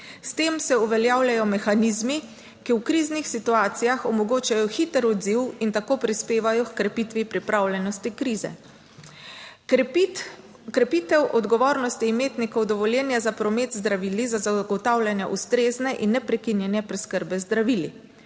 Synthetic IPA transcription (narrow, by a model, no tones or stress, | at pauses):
st̪eːmsɛuʋɛljaːwljajɔmɛxaniːzmi | kiwkɾiːznixsit̪uaːt̪sijaxɔmɔɡoːt͡ʃajɔxit̪əɾɔd̪ziwint̪akoːpɾispeːʋajɔkkɾɛpit̪ʋipɾipɾaːwlʲjɛnɔst̪ikɾiːzɛ̰ | kɾɛpit̪ɛwʔɔd̪ɡɔʋoːɾnɔst̪imeːt̪nikɔwd̪ɔʋɔljɛnjazapɾɔmet̪zd̪ɾaʋiːlizazaɡɔt̪aːwlʲjanjɛ̰ʔust̪ɾeːznɛʔinːɛpɾɛkinjɛnjɛpɾɛskəɾbɛzd̪ɾaʋili